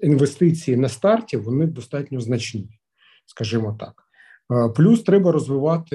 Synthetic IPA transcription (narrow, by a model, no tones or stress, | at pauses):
inʋest̪ɪt͡sʲijinɐst̪ɑrtʲiʋɔnɪd̪ɔst̪ɑtʲnʲɔznɐt͡ʃnɪ | skɐʒɪmɔt̪ɑ̰k | plʲust̪ɾɛbɐɾɔzʋɪʋɑt̪ɪ